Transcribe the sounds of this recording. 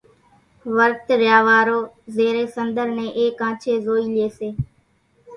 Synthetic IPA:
ʋəɾt̪ɾjaːʋaːɾoːzeːɾeːsənd̪əɾnẽːʔeːkãːt͡ʃʰeːzoːiːlɪeːseː

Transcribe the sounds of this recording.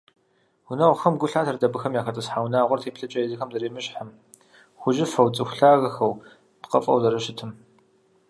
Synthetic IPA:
wʷʊnɐʁʷxɐmɡʷʊɬaːtʰɐrdɐbɨxɐmjaːxɐtʼɨsħaːwnaːʁʷɔrtʰeːpɬɐt͡ʃʼɐjɪzɨxɐmzɐɾeːmɨɕħəm | xʷʊʒɪfɐwt͡sʼɨxʷʊɬaːɣɐxɐw | tqɐfʼɐ̰wzɐɾɨʃɪtʰɨm

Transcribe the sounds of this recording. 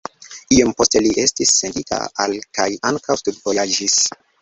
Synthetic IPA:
iompo̞ste̞liʔe̞stisːe̞nditʰa̰a̰lkajaŋkʰawstudvojad͡ʒis

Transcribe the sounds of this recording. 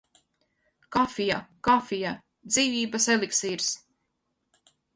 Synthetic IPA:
kafijakafija | d̪ziːvʲiːbaselˠiksiːɾs

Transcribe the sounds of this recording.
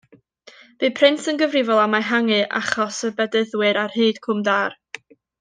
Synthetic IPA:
b̥ɨpʰrɪnsənɡəvrɪvɔlˠamaɦaŋɨʔa̰χɔsəbɛdəðwɨɾarhɨːd̥kʰʊmdaːr

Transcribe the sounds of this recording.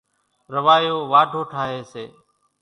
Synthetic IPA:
ɾəʋaːjoːʋaːɖʱoːʈʰaːɦeːseː

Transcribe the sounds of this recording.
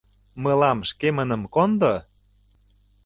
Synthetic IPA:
məlɑmʃkemənə̆mkond̪o

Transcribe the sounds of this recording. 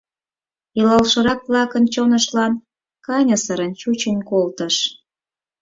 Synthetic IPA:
ilɑlʃəɾɑkβlɑkənt͡ɕonəʃlɑn | kɑnʲəsəɾənt͡ɕut͡ɕənʲkolt̪əʃ

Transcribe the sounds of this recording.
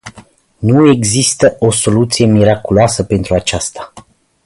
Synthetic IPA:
nue̞ɡzist̪əʔo̞so̞lut̪sije̞miɾakuloasəpe̞nt̪ɾuat͡ʃast̪ḁ

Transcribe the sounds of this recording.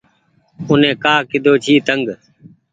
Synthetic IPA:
ʊnẽːkaːkɪd̪ʱoːt͡ʃʰiːt̪əŋɡ

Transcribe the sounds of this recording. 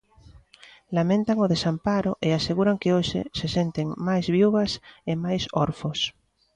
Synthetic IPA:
lamẽnt̪aŋoðesampaɾʊʔeaseɣuɾaŋkeoʃɪ̰sesent̪eŋmajzβjuɣɐsemajsoɾfos

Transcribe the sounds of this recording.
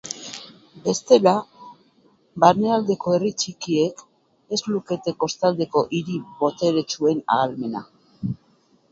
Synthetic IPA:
be̞st̪e̞la | baɾneald̪e̞ko̞e̞rit͡ʃikie̞k | e̞zluke̞t̪e̞ko̞st̪ald̪e̞ko̞ʔiɾiβo̞t̪e̞ɾe̞t͡ʃue̞na̰ːlme̞na̰

